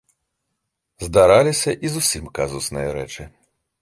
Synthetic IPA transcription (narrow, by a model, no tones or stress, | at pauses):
zd̪aɾalʲisʲɐʔizusʲimkazusnɨjɐɾɛt͡ʂɨ